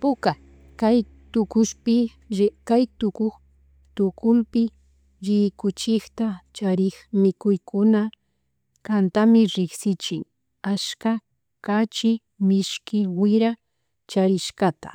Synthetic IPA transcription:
pʊka | kaj | t̪ʊkʊʃpɪ | kajt̪ʊkʊχ | t̪ʊkʊlpɪ | ɾɪkʊt͡ʃɪxt̪at͡ʃaɾɪxmɪkʊjkʊna | kant̪amɪɾɪksɪt͡ʃɪŋ | aska | kat͡ʃɪ | mɪʃkɪwɪɾa | t͡ʃaɾɪʃkat̪ḁ̰

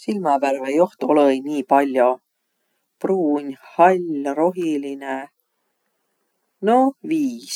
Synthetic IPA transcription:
silmɑværvejoht̪olojnʲiːpɑlʲːjo | pruːnʲhɑlʲɾo̞ɦiline | noviːs

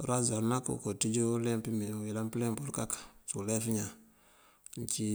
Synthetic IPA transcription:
ɾazaɾnakṵkotid͡ʒulɛmpimiilamplembuɾkakḁsulɛfiɲa | ɲt͡ʃi

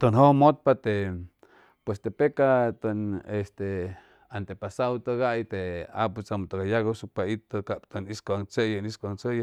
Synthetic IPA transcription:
t̪onɦomot̪̚pat̪e | pwest̪epekat̪onest̪e | ant̪epasawt̪oɡaʔjt̪eaput͡samt̪oɡajaɡosuk̚pait̪okaʔpt̪oniskoaŋt͡sejaniskʷaŋt͡seja

